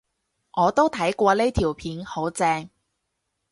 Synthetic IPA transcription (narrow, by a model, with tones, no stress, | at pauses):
ŋɔː˨˧t̪o˥wt̪ʰɐ˨˥jkʷɔː˧le˥t̪ʰiː˨˩wpʰiː˨˥nho˨˥wt͡sɛː˧ŋ